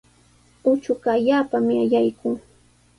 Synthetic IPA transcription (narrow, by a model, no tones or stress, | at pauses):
ʊt͡ʃʊɢɑːʎaːpamɪaʎajkʊː